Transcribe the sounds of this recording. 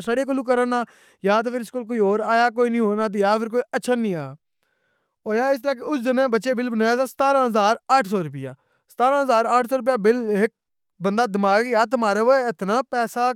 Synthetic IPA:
saɽeːk̬oluːk̬əɾənaː | jaːt̪oːpʰɪɾɪskoːlkoːoːɾaːjaːkoːiːnĩːɦoːnaːt̪̬ːjaːpʰɪɾk̬oːiətːʃʰaːnĩːaːjaː | oːjaːɪst̪əɾaːkeʊsd̪ɪnẽːbətːʃeːbɪlbənaːjaːsaːsə̥t̪aːɾãːɦəzaːɾaːʈʰsɔːɾʊpɪja̰ː | sə̥t̪aːɾãːɦəzaːɾaːʈʰsɔːɾʊp̬ɪjaːbɪlɦɪk̚ | bənd̪aːd̪ɪmaːɡjaːt̪əmaːɾeːʋoeɪt̪naːpɛːsaː

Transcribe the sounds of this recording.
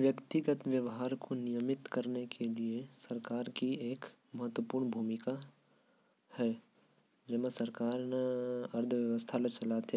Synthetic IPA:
ʋjəkt̪ɪɡət̪ʋjəʋɦaːɾkʰonɪjəmɪt̪kɐɾnekʰeliesɐɾkaːɾkieːk | mɐɦət̪wəpuːɾɳbʱuːmɪka | hɛː | d͡ʒɐmesɐɾkaːɾneɐɾd̪ʱəʋjəʋəst̪ʰalet͡ʃɐlaːt̪ː

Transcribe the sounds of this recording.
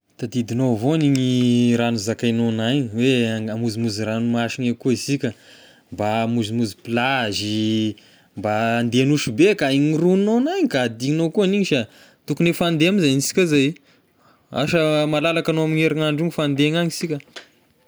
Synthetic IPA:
t̪ad̪id̪inovoniɲiɾanuzakajnonaɲiweamuzimuziranumaʃiɲekuisikʲə | mbamuzimuzipilazi | mbaːnd̪enuʃubekaiɲiruninonajɲikad̪iɲinokuaniɲiʃa | t̪ukunefand̪eamizanisi̥kʲazaj | a̰ʃəmalalakanoamiɲeɾaŋaɳɖ͡ʐiŋifand̪eɲaɲisikʲə

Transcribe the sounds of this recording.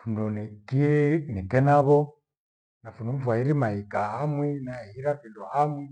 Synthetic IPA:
fundɔnikinikɛnaβɔ | nafundɔɱ̩vwaiɾimaikaɦamwɛnahiɾakindɔhamwɛ

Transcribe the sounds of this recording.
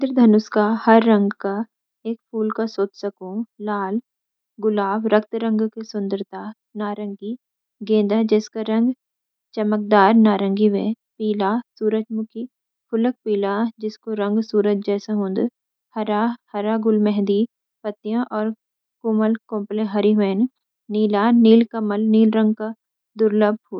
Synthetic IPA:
d̪əɾd̪ʱɐnʊskahɐɾːɐ̃ŋɡka | eːk̚pʰuːlkasoːt͡ʃsɐkũlaːl | ɡʊlaːbɾɐk̚t̪ɾə̃ŋɡkesʊ̃nd̪əɾt̪aː | naːɾə̃ŋɡi | ɡẽːd̪ad͡ʒɛːskaɾɐ̃ŋɡ | t͡ʃɐmək̚d̪aːɾnaːɾə̃ŋɡiʋḛ | piːlasuːɾəd͡ʒmʊki | pʰʊlək̚piːlad͡ʒɪskoɾɐ̃ŋɡsuːɾət͡ʃ̚d͡ʒɛːsãɦʊ̃ːnd̪ | hɐɾahɐɾaɡʊlmɛɦ̪d̪i | pɐt̪ːijãʔɔːɾ | kʊməlkõːmplẽɦɐɾiʋeːn | niːlaniːlkɐməlniːlɾɐ̃ŋɡ̚ka | d̪ʊɾləb̚ʱɦoː

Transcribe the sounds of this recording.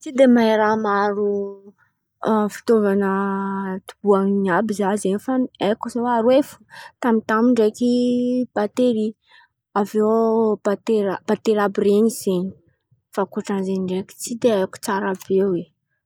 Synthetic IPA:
t͡sid̪emaeɾamaɾu | fi̥t̪ovanət̪ub̥uaŋinabizazenifanekuzewaɾwefu̥t̪amit̪amiɳɖ͡ʐekib̥at̪eɾi | aveb̥at̪eɾab̥at̪eɾabireɲiz̥eɲi̥ | fakuʈ͡ʂanzeɲiɳɖ͡ʐeki̥t͡sid̪eaku̥t͡saɾabewe

